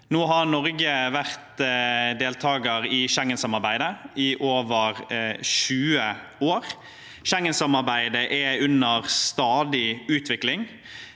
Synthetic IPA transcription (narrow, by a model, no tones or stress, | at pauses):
noːɦɑɾnɔɾɡəʋæʁt̪d̪eːlt̪ʰɑːɡəɾɪʃɛŋːənsɑmɑɾbæɪd̪əɪʔoːʋəɾʃʉːə | oːɾ | ʃɛŋːənsɑmɑɾbæɪd̪əʔɛʉnəʁst̪ɑːd̪ɪʉːt̪ʰʋɪklɪŋ